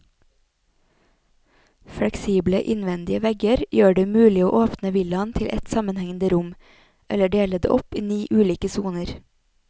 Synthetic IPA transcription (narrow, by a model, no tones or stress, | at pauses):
fɽɛksiːbləʔɪnʋɛnd̪ɪəʋɛɡəɾjøːɖeːmʉːlɪoːʔoːpnəʋɪlɑnt̪ʰɪlʔɛt̪sɑmənhɛŋn̩d̪əɾʊm | ʔɛləɖeːləd̪ḛʔɔpiːniːʔʉːliːkəsuːnəɾ